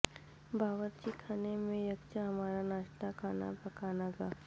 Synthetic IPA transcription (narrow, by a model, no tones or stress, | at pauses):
bʱaːʋəɾt͡ʃikʰaːnemẽjɐkt͡ʃaɦɐmaːɾanaːʃt̪akʰaːna̰pɐkaːnaɡaː